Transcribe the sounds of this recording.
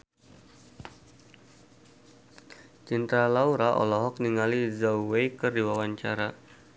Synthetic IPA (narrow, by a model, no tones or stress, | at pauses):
t͡ʃint̪ɾalauɾaʔɔ̰lɔɦɔk̚niŋalizawwejkɨrdiwawaɲt͡ʃa̰ɾa